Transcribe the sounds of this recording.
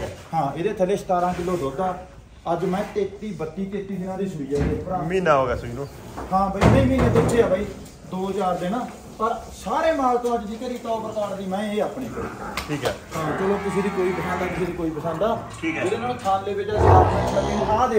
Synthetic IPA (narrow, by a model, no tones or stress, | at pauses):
hãːeːd̪eːt̪ʰəleːst̪aːɾãːkɪlːoːsoːt̪aː | əd͡ʒmɛ̃ːteːt̪ːiːbət̪ːiːt̪eːt̪ːiːd̪ɪnãːd̪iːsʊiːjaːeːpəɾãːmĩːnaːɦoːɡɛːsʊd͡ʒnõː | hãːbʱaːiːmẽiːmiːnãːd͡ʒ̪ɪt͡ʃʃʰeːaːbʱaːiː | d̪oːt͡ʃaːɾd̪eːnãː | pəɾsaːɾeːmaːɾt̪õːəd͡ʒd̪iːkəɾiːt̪ɔːpəɾək̪aːɾd̪iːmɛ̃ːeːaːpɳiːkəɾḭːaʈʰiːkɛːãːt͡ʃəlõːt̪ʊseːd̪iːkoːiːpəsə̃nd̪aːk̪ʊseːd̪iːkoːiːpəsə̃nd̪aːʈʰiːkd͡ʒed̪eːnãːk̪ʰaːlːeːbɪt͡ʃasaːəliːnaːd̪e